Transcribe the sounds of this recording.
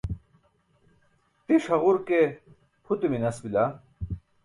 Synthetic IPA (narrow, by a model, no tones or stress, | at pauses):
t̪iʂɐʁuɾke | pʰut̪uminɐsbila